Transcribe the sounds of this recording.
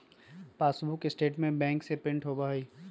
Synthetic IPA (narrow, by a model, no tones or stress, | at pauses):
paːsbukesʈeːʈmẽbɛ̃ːŋksepɾɪ̃ɳʈɦobaːɦiː